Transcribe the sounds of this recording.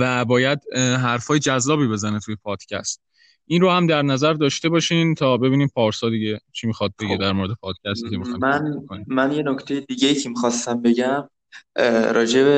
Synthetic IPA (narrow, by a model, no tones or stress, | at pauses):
væbɒːjæd̪ɦæɾfɒːjed͡ʒæzːɒːbiːbe̞zænet̪ʰujepʰɒːd̪̥cʰæ̰st̪ | ʔinrohæmd̪æɾnæzæɾd̪ɒːʃt̪e̞bɒːʃiːnt̪ʰɒːbe̞biːniːmpʰɒːɾsɒːd̪iɟe̞t͡ʃʰimixɒːd̪̚beɡed̪æɾmoɾe̞d̪e̞pʰɒːd̪̥̚cʰʲæst̪iːkʰemixɒjmænonimænjenoct̪ʰejed̪iɟejiːcʰemixɒːst̪æmbe̞ɟæm | ɾɒːd͡ʒe̞be